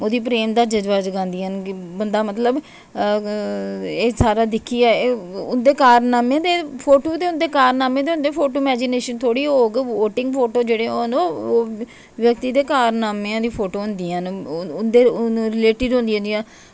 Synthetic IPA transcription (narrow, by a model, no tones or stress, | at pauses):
oːd̪iːp̬ɾeːmd̪aːd͡ʒəd͡ʒʋaːd͡ʒɡãːnd̪iːənkbənd̪aːmət̪ləb | eːsaːɾaːd̪ɪkʰːiːɛːʊnd̪eːkaːɾnaːmẽːd̪eːpʰoːʈoːd̪eːʊnd̪eːkaːɾnaːmẽːd̪eːʊnd̪eːpʰoːʈoːɪmɛːd͡ʒɪneːʃənt̪ʰoːɽiːɦoːɡoːʈɪ̃ŋɡpʰoːʈoːd͡ʒeːɽeːonoː | ʋjək̚t̪iːd̪eːkaːɾnaːmẽãːd̪iːpʰoːʈoːɦʊnd̪iːannd̪eːɾɪleːʈɪɖɦõnd̪iːõnd̪iãː